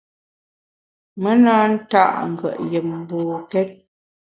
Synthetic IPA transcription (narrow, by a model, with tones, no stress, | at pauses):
mə˦naː˦n̩˦ta̰˦ʔŋ̩˨ɡə̰˨ʔjə˨m˦bɔː˨kɛ˦t̚